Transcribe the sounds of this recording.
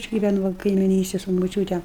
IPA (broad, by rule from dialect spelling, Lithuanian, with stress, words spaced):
ɐʃ ɡʲɪˈʋʲæːnʊ ˈʋɐ kɐɪmʲɪˈnʲiːsʲtʲeːj sʊ moːˈt͡ʃʲuːtʲɛ